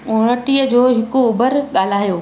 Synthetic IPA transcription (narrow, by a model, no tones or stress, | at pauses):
oɽ̃əʈiəd͡ʑoːɦɪkoʊbəɾɠaːl̤aːjoː